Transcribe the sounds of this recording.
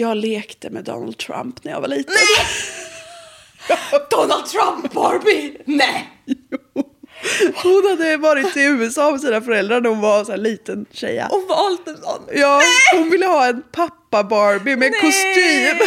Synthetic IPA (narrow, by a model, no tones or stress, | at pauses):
jɑːɡleːkt̪əmɛ̰d̪ɔ̰na̰ld̪̚t̪ʰɾa̰mpnæja̰va̰ɭiːt̪ən | d̪̥ɔnald̪̚t̪ʰɾampbɑːɾbɪnɛ | hʊnhad̪ːəvɑːɾɪt̪ɪʉ̟ːɛsɑːmɛs̬iːnafœɾɛld̪ɾaɳæɾhʊnvaɾsɔæːɭiːt̪ənɕɛ̰jːa̰hʊnvɑːlt̪ɛnsɔ̰nːjɑːhʊnvɪlːəhɑːɛnpʰapːabɑːɾbɪmɛɛnkʰʊst̪yːm